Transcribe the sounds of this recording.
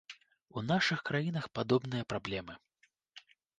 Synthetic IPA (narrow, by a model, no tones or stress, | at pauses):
unaʂɨxkɾajinɐxpad̪ɔbnɨjɐpɾablʲɛmɨ